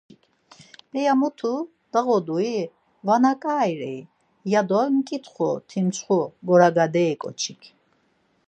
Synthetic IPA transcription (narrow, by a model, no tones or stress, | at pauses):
ikʰ | ɛjamut̪ʰu | d̪̥aʁɔd̪ui | vanakʼaːjɾɛj | jad̪ɔmkʼit̪ʰχɔt̪ʰimt͡sʰχuɡɔɾaɡad̪ɛːkʼɔ̰t͡ʃʰikʰ